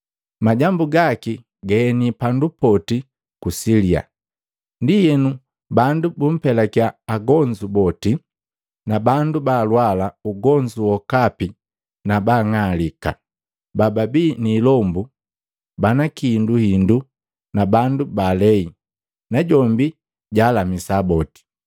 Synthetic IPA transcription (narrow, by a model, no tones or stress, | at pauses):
maɟambuɡaki | ɡɛːnipandupɔti | kusilia̰ | ndijɛnu | bandubum̩pɛlakjaːɡɔɲd͡ʒubɔti | nabandubaːlwalauɡɔɲd͡ʒuwɔkapi | nabaŋalika̰ | bababiːniːlɔmbu | banakinduhindu | nabandubalɛi | naɟɔmbi | ɟaːlamisabɔti̥